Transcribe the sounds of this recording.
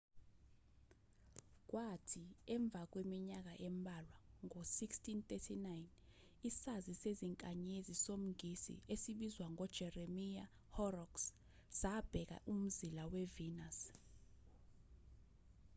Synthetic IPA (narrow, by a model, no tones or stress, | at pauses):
k̬watʰiɛɱb̪vʱak̬wemiɲak̬aʔɛmbʱalwaŋosikstʰint̪etʰinajn | isaziseziŋkʼaɲezisom̩ŋɡʱisḭesiɓizwaŋʱɔd̥ʒ̥ʱɛremia̰ | hɔrɔks | z̥ab̥ʱɛk̬a̰ʔum̩zilawɛvinas